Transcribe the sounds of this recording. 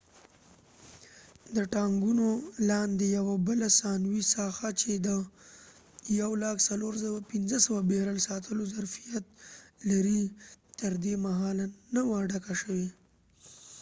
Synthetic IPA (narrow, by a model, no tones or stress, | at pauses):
d̪əʈɑŋɡunolɑnd̪ejawabəlasɑnwisɑxat͡ʃed̪ə | jawlɑksaloɾs̬awapinzəsawabeɾalsɑt̪ʰəlozaɾfijat̪̚laɾit̪əɾd̪emaɦɑlnawaɖakaʃəwe